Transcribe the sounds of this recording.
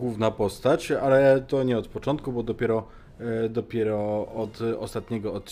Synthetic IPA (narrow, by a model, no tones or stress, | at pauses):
wuvnapɔst̪at͡ɕalɛt̪ɔɲɛɔt̪pɔt͡ʂɔnt̪kubɔd̪ɔpʲɛɾɔ | d̪ɔpʲjɛɾɔɔt̪ɔ̰st̪at̪ɲɛɡɔɔt̪̚t͡ɕ